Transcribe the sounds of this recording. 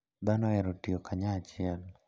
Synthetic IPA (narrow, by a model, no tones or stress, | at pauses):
d̪anɔɛɾotiokʰaɲaːt͡ʃɪɛl